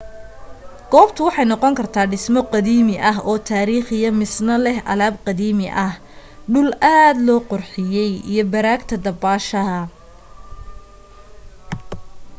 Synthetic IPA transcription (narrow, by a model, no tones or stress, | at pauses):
ɡ̥ɔːbt̪ʰʊwɑħɑjnɔqɔŋkʰɐrt̪ʰaːɖɪsmɔqɑðiːmɪʔɐɦɔːt̪ʰaːɾiːχɪjɐmɪsnɐlɛhʔɐ̰laːbqɑðiːmɪʔɐh | ɖʊlʔaːd̪lɔːqɔrħɪjɛjḭjɞbɐɾaːɡt̪ʰɐd̪ɐbaːʃɐɦɐ